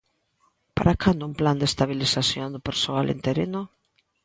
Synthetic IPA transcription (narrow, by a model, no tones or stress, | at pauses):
paɾakand̪ʊumpland̪est̪aβilisaθjond̪ʊpeɾsoalʔḛnt̪eɾenʊ